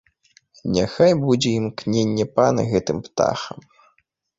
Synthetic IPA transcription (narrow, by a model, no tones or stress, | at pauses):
nʲaxajbud͡zʲɛimknʲenʲːɛpanɨ̰ɣɛt̪ɨmpt̪a̰xɐm